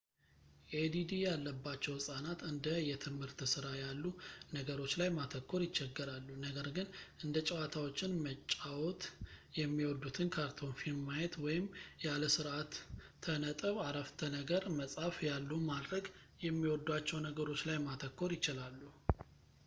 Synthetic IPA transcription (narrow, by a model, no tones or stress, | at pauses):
ʔed̪id̪ijalːəbːat͡ʃːɛwɨsʼanat̪ɨnd̪əjɛt̪ʰɨmhɨɾt̪sɨɾajalːunəɡəɾo̞t͡ʃːlajmat̪ʰəkʰːo̞ɾjɪt͡ʃːɛɡːəɾalːunəɡəɾɡɨnʔɨnd̪ət͡ʃʼɛwat̪ʰawot͡ʃːɪnmət͡ʃʼːawot̪jɛmːiwɔd̪ut̪ʰɨnkʰaɾt̪ʰo̞nfimajɛt̪wɔjɪmjaləsɨɾʔat̪ʰːənət̪ʼəβaɾəft̪ʰənəɡəɾməsʼafjalːumad̪ɾəɡ | jɛmːiwɔd̪uat͡ʃːɛwnəɡəɾo̞t͡ʃːlajmat̪ʰəkːo̞ɾjɪt͡ʃɪlalːu